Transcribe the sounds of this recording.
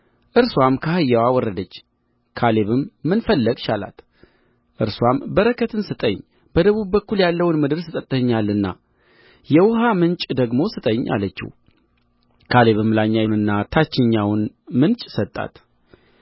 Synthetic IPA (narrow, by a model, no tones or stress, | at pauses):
ʔɨɾswʷamkʰahɨjːawawɔrːəd̪ət͡ʃː | kʰale̞βɨmːɨnfəlːəɡʃala̰t̪ | ʔɨɾswambəɾəkʰət̪ʰɨnsɨt̪ʼəɲ | b̥əd̪əβubbːəkːuljalːəwnmɨd̪ɨɾsɨt̪ʼət̪ʼːəɲːalɨnːa̰ | jɛwʊɦamɨnt͡ʃʼd̪əɡmo̞sɨt̪ʼəɲːʔa̰lət͡ʃːḭh | kʰale̞βɨmɨlaɲːanɨnːat̪ʰat͡ʃːɪɲːawn | mɨnt͡ʃʼsət̪ʼːa̰t̪